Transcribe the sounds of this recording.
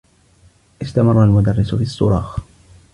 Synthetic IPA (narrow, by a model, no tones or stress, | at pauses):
ʔɪst̪amɑrˤːalmʊd̪arːɪsfiːasˤːʊɾˤɑːx